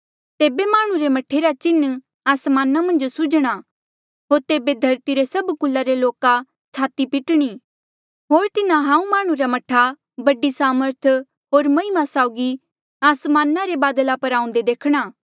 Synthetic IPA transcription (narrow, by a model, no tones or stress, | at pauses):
t̪eːbemaːɽ̃ũɾemɐʈʰeɾat͡ʃɪnː | aːsmaːnamɐ̃nd͡ʒsʊd͡ʒɽ̃a | ɦoːɾt̪eːbed̪ʱɐɾt̪iɾesɐbkʊlːaɾeloːka | t͡ʃʰaːt̪ipɪʈɽ̃i | ɦoːɾt̪ɪnãɦãːũmaːɽ̃ũɾamɐʈʰːa | bɐɖisaːməɾt̪ʰ | ɦoːɾmɐɦɪmasaːʊɡi | aːsmaːnaɾebaːd̪əlapɐɾãːʊ̃nd̪ed̪eːkʰɽ̃aː